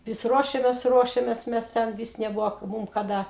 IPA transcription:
ˈʋʲɪs ˈruɔʃʲɛmʲeːs ˈruɔʃʲɛmʲeːs ˈmʲɛs ˈtʲɛn ˈʋʲiːs nʲɛˈbʊʋoː ˈmʊm kɐˈdɐ

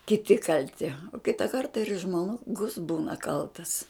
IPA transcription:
kʲɪˈtʲɪ kɐlʲˈtʲɪ oː ˈkʲɪtɐ ˈkɐrtɐ ɪr ʒmoːˈɡʊs ˈbuːnɐ ˈkɐlˠtɐs

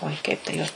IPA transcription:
oːɪ kɐɪp tɐ ˈjoːs

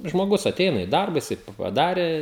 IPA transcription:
ʒmoːˈɡʊs ɐˈtʲɛɪnɐ ɪ ˈdɐrbɐ jɪˈsɐɪ pɐˈdɑːrʲeː

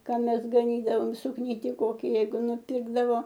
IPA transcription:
ˈkɑː ˈmʲɛs ɡɐˈnʲiːdɐʋoːm sʊkˈnʲiːtʲɪ ˈkoːkʲɪ ˈjɛɪɡʊ nʊˈpʲɪrɡdɐʋoː

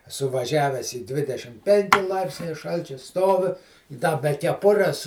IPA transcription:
ɛˈsʊ ʋɐˈʒʲæːʋʲæːs ɪ ˈdʲʋʲɪdʲɛʃʲɪm ˈpʲɛŋʲkʲɪ ˈlˠɐɪpʲsʲnʲɛɪ ˈʃɐlʲt͡ʃʲʊ ˈstoːʋʲɪ ɪ ˈdɐ bʲɛ kʲɛˈpʊrʲɛs

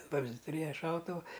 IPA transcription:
ˈʋɐmʲzʲdʲɪ ˈtʊrʲeːjɛ ˈʃɐʊtʊʋʊ

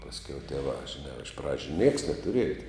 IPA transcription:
pɐsʲˈkʲɛʊ tʲiɛˈʋɑː ʒʲɪˈnɑː ɪʃ ˈprɑːd͡ʒʲʊ nʲiɛks nʲɛtʊˈrʲiɛjɛ

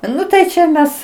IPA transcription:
ˈnʊ tɐɪ t͡ʃʲɛ ˈmʲɛs

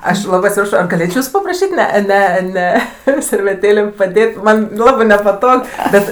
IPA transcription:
ˈɐʃ ˈlˠɑːbɜ ɐtʲsʲɪˈprɑːʃoː ɐr ɡɐˈlʲeːt͡ʃʲoː ˈjuːsʊ pɐprɐˈʃʲiːtʲ ˈnʲɛ ˈnʲɛ ˈnʲɛ sʲɛrʲʋʲɛˈtʲeːlʲeːm pɐˈdʲeːtʲ ˈmɐnʲ ˈlˠɑːbɜ nʲɛpɐˈtoːk ˈbʲɛt

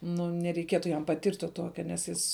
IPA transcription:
nʊ nʲɛrʲɛɪˈkʲiɛtʊ jɛm pɐˈtʲɪrʲtʲ tuɔ ˈtuɔkʲɛ nʲɛs ˈjɪs

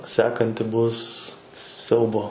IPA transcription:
ˈsʲæːkɐnʲtʲɪ ˈbʊs ˈsʲɛʊboː

